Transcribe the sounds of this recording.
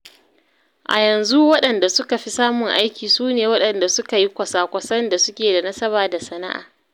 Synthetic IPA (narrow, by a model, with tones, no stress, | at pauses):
ʔa̰˨jɐ˨nzu˦wɐ˦ɗɐ˨nda˨sʊ˦ka˨ɸi˦saː˦mʊ˨ŋʔa˦jkʲiː˨suː˦neː˨wɐ˦ɗɐ˨nda˨sʊ˦ka˨ji˦kʷɐ˨saː˦kʷɐ˨sɐ˦nda˨sʊ˦kʲeː˨da˨nɐ˦sɐ˦baː˨da˨sɐ˦na̰˦ʔa̰ː˨